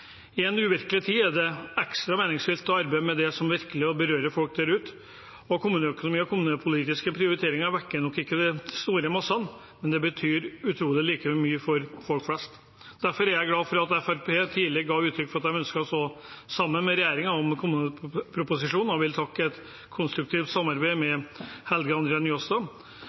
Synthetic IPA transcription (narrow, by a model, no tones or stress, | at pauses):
ɪɛnʉːʋɪɾkəlɪt̪ʰiːæɖɛɛkst̪ɾɑmeːnɪŋsfɪlt̪ɔɑɾbæɪmɛd̪ɛsɔmʋɪɾkəlɪɔbəɾøːɾəfɔlk̚d̪æɾʉːt̪ | ɔkʰʊmʉːnəœkʊnʊmiːəɔkʰʊmʉːnəpʰʊliːt̪ɪskəpʰɾɪʊɾɪt̪ʰeːɾɪŋɑʋækːənɔkːɪkːəd̪ɛst̪uːɾəmɑsɑn | mɛnd̪ɛbət̪ʰyːɾʉt̪ʰɾuːlɪliːkəmyːəfɔɾfɔlkflɛst̪ | d̪æɾfɔɾæɾjæɪɡlɑːfɔɾɑt̪ɛfæɾpʰeːt̪ʰiːlɪɡɑːʋʉːt̪ʰɾʏkːfɔɾɑt̪d̪hæɪmœnskəɔst̪oːsɑmːənmɛɾɛjæːɾɪŋəɔmkʰʊmʉːnəpʰɾʊpʊsɪʂuːnɔʋɪlt̪ʰɑkːəɛt̪ | kʰʊnst̪ɾʉk̚t̪ʰiːft̪sɑmːɑɾbæɪmɛhɛlɡəɑnd̪ɾɛɑnjɔsɑ